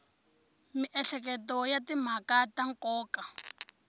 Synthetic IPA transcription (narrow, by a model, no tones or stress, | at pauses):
miʔɛɬɛkɛtɔjatim̤akataŋkɔːka